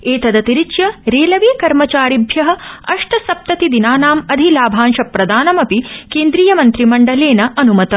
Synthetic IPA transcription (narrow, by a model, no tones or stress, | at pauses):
eːt̪ɐd̪ɐt̪iɾiʃjɐɾeːlɐʋeːkɐɾmɐt͡ʃaːɾibʱjɐɦɐ̆ɐʂʈɐsɐp̚t̪ɐt̪id̪inaːnaːmɐd̪ʱilaːbʱaːnʃɐpɾɐd̪aːnɐmɐpikeːnd̪ɾiːjɐmɐnt̪ɾimɐɳɖɐleːnɐʔɐnumɐt̪ɐ